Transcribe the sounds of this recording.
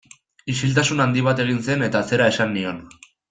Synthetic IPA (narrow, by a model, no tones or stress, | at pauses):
isilt̪asunand̪iβ̞at̪e̞ɣ̞inse̞ne̞t̪aːt͡se̞ɾae̞sanːio̞n